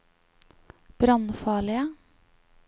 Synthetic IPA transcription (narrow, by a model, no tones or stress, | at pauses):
b̥ɾɑnfɑːɭɪə